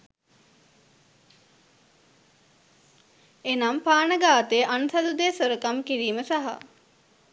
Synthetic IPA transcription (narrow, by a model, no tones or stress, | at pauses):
enampaːnəɡaːt̪eʔanusad̪ud̪eːsoɾəkamkiɾiːməsaɦa̰